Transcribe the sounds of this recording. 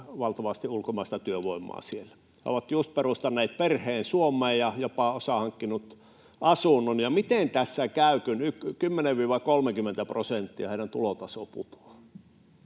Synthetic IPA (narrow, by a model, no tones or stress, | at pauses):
ʋɑlt̪ɑʋɑst̪iulkomɑˑist̪ɑt̪yøʋoˑimːˑɑ̰ːsielæ | hḛo̰ʋɑt̪just̪̚perust̪ɑnːeˑːt̪̚perheːnsuomˑeːjjɑjopɑosɑhɑŋkːinut̪ | ʔɑsunːonjɑmit̪ent̪æsːækæˑykynykkymːeneʋʋiːʋɑkolmekymːent̪æprosent̪ːiɑ̰heiɾænt̪ṵlot̪ɑsopṵt̪o̥